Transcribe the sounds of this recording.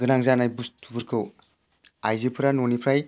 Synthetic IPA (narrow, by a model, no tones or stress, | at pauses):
ɡɯnaŋzanajbustʰubɯɾkʰɯw | ajzipʰɯɾanonipʰɾaj